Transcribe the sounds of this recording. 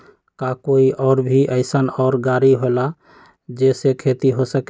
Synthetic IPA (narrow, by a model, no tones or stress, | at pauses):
kakoiʔɔːɾbʱiʔəɪsənɔːɾɡaɾiɦola | d͡ʒesekʰet̪iɦosək